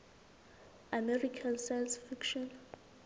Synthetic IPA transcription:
amɛɹikʰãnsajnsfikʃɔ̃n

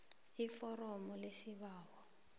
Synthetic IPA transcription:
ifɔɾɔmɔlesiβaːwɔ

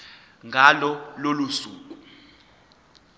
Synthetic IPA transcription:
ŋɡʱalɔlolusuːk̬u

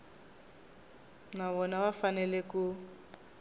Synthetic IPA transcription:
naβɔnaβafanɛleku

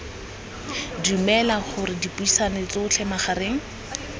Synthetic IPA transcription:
diumɛlaχʊrɪdipuisanɪt͡sɪʊt͡ɬʰɛmaχareːŋ̩

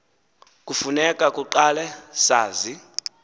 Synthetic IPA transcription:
kʼufunɛkʼakʼuǃalɛsaːzi

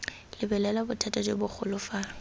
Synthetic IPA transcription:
lɪbɛlɛlabʊtʰatʼad͡ʒebʊk͡xʰʊlʊfa

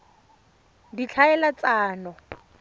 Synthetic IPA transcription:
dit͡ɬʰaɛlat͡saːnɔ

